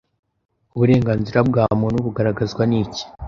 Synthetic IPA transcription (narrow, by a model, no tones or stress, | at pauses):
uβuɾe̞ːŋɡaːnziɾabɡaːmonuβuɡaɾaɡazɡwaniːci̥